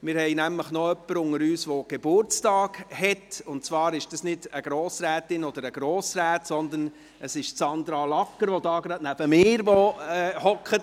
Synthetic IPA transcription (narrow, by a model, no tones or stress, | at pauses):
mɪɾhɛɪnæmləχnɔœpːəɾʊŋəɾyːsʋoɡ̥eb̥ʊɾt͡stɑːɡhɛtʊntt͡sʋɑːɾɪʃd̥ɑsnɪd̥əɡ̥ɾoːsɾæːtɪnɔd̪əɾəɡɾɔːsɾæːtsɔnd̪ən | əsɪʃsɑnd̪ɾɑlɑkːəɾʋɔdɑːɡɾɑdnæb̥əmɪːɾʋɔɛːhɔkχət